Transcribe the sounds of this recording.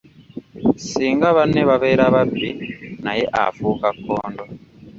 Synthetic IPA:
siːŋɡaβaneβaβeɾaβabinajeʔa̰fuːkakːoːndo

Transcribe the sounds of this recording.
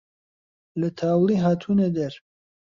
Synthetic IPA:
lɐt̪ʰaːwliɦaːt̪ʰuːned̪ɐɾ

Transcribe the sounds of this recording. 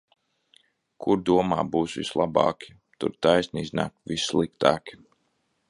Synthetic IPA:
kʰuɾd̪uɔmaːbuːsʋḭslˠabɑ̰ːkʲʰi̥ | t̪ṵɾt̪ajsniizna̰ːk̚visːlˠikt̪aːkʲi̥

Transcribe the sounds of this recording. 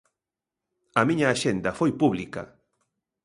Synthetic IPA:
ɐmĩɲɐːʃend̪ɐfojpuβlikɐ̰

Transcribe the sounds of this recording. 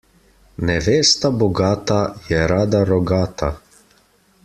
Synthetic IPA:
nɛʋeːst̪abɔɡaːt̪ajɛɾaːd̪aɾɔɡaːt̪a

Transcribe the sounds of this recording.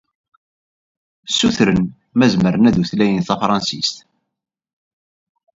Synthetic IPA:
sːuθɾən | mæzməɾənæðuθlæjənθæfɾˤɑnsḭst̪

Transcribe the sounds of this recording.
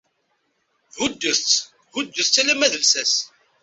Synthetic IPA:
ðud̪ːəɾt͡s | hʊd̪ːəθt͡sːælæmæðəlsæs

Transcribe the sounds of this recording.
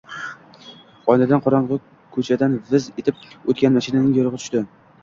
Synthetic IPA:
ɒnad̪anqʰɒɾɑɴʁɨ | kʰɵt͡ʃʰad̪anvɪzet̪ʰɪp̚ot̪̚kʲanmaʃɪnanɪŋjoɾɨʁɨt̪ʰʊ̥ʃt̪ɪ

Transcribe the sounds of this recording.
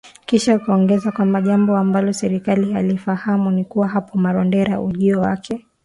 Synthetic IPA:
kiʃaukaɔŋɡɛzakwambaʄambɔambalɔsɛɾikaliɦalifahamunikuwaɦapɔmaɾɔndɛɾaʔuʄiɔwakʰɛ

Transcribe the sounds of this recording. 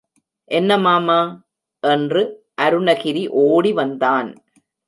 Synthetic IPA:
ʔɛnːɐmaːmaː | ʔɛndrɯ | ʔɐɾɯɳɐɣɪɾiʔoːɽiʋɐnd̪aːn

